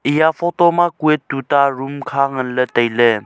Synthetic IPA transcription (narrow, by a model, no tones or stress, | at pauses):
ijapʰɔtɔmakuettːutaɾumkʰaŋənlətəjle